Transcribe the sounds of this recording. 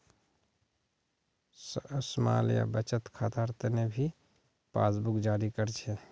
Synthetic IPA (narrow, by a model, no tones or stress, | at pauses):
səsma̰ːlja̰bət͡ʃət̪kʰaːt̪aɾt̪ənebʱi | pa̰ːsbukd͡ʒaːɾikəɾt͡ʃʰɛ